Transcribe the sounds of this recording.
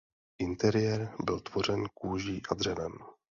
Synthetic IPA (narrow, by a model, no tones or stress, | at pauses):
ʔɪnt̪ɛɾɪjɛɾbɪlt̪vo̞r̝ɛnkuːʒiːʔad̪r̝ɛvɛm